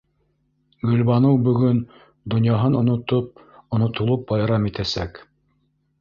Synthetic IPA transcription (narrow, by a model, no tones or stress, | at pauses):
ɡɵ̆lβɑnɤwbɵ̆ɡɵn | d̪ŏnjɑɦɤnŏnŏt̪op̚ | ŏnŏt̪ŏlˠɤp̚bɑjɾɑmit̪æsæk